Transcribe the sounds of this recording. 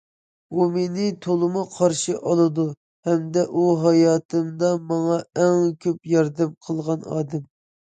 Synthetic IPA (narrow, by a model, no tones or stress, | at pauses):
umenɪt̪ʰolˠɨmuqʰɑɾʃiʔɑlˠɨd̪u | hɛmd̪ɛʔuɦɑjɑːt̪ʰɨmd̪ɑmɑŋɑɛŋkʲʰøpjɑɾd̪ɛmqʰəlˠʁɑnɑ̰ːd̪ɛm